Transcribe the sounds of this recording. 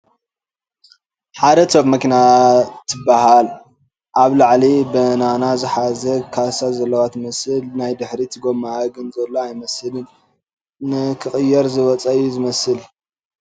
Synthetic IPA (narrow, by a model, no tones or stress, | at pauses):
ħad̪ɐt̪ʰoβmɐkʰinat̪ʰːɨbːahal | ʔaβlaʕlibɐnanazɨħazɐkʰasazɐlːɐwat̪mɐsɨlnajd̪ɨħɾit̪ʰɨɡomaɡɨnzɐlːoajmɐsɨlɨn | nɨkʰɨχʼɨjːɛɾzɨwɔt͡sʼɐjuzɨmɐsɨl